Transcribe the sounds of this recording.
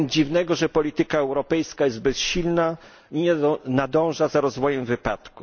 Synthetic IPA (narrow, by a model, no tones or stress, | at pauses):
d͡ʑivnɛɡɔʐɛpɔlʲit̪ɘkaɛwɾɔpɛjskajɛzd̪̚bɛsɕilna | iɲɛnad̪ɔ̃w̃ʐazaɾɔzvɔjɛmvɘpat̪ku